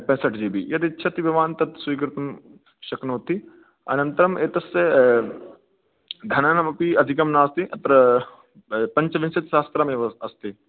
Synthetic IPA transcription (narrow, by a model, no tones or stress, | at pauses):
pɐ̃nsɐʈd͡ʒiːbḭjɐt̪itːʃʰɐt̪iʋɐʋaːnt̪ɐt̪sʋiːkɾɪt̪ɐm | ʃɐknoːt̪i | ɐ̰nɐ̃nt̪ɐɾɐmeːt̪ɐsɐ | d̪ʱɐnaːnɐmɐpiɐd̪ʱikɐmnaːst̪iʔɐt̪ɾɐ | pɐɲt͡ʃɐʋinsɐt̪ʃaːst̪ɾaːmeːʋɐɐst̪i